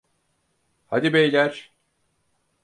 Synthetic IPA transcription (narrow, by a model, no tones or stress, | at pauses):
had̪ibejlʲæɾ̥